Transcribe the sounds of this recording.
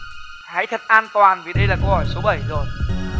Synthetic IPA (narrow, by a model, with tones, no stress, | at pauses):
ha̰˧˥jt̪ʰə˨˩t̚ʔaː˧nt̪waː˨˩nvi˨˩ɗə˧jlaː˨˩kə˧whɔ˧˩jso˨˦ɓə˧˩jzo˨˩j